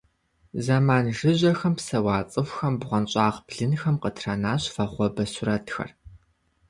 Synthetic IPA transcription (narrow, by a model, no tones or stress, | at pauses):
zɐmaːnʒɨʑɐxɐmpsɐwaːt͡sʼɨwʷxɐmbʁʷɐnɕʼaːʁbɮɨnxɐmqətʰrɐnaːɕfɐχʷɔbɐsʊɾɐtxɐ̰r